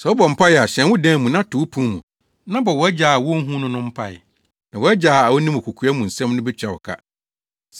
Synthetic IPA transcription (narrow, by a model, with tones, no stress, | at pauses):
sɛ˨wɔ˦bɔ˨m̩˨pʰa˦jɛ˨a˨ɕɛ̃˨nwʊ˦dɛ̃˦mũ˨nã˦tʰʊ˨˦pʰũ˦mṵ̃˨ | nã˦bɔ˨wɔ˨˦ɛ˦d͡ʑaː˨a˨wɔ˦ɦũ˦nʊ̃˦nʊ̃˦m̩˦pʰa̰˦˨jɪ̰˨ | nã˨wɔ˨ɛ˦d͡ʑaː˨a˨wɔ˦nĩ˦mʊ˨kʰu˨kʰu˨˦a˦mũ˨n̩˨sɛ̃˦m˦nʊ̃˦bɛ˦t͡ɕᶣa˨wɔ̰˨kʰa̰˦ | s